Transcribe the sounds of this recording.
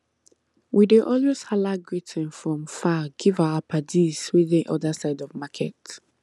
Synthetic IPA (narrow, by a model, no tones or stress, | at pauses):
wideʔɔlweshalaɡɹitʰɛ̃nfɹɔ̃mfaɡ̥ivaʊapʰadizwiðĩnʔɔ̰ðasaɪdɔvmakʰɛt